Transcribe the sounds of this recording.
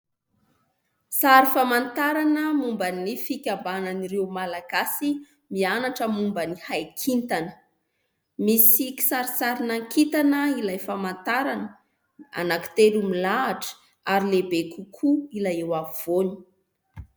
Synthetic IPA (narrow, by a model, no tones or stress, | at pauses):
saɾifamant̪aɾanəmumbənifikʲambananiɾewmalaɡasi | mianaʈ͡ʂəmumbənihajkʰint̪anə̥ | misiki̥saɾisaɾinaŋkit̪anəilajfamant̪aɾanə | a̰naki̥t̪eɾumilaːʈ͡ʂə̥ | aɾilebekukʰuilajewav̥oni̥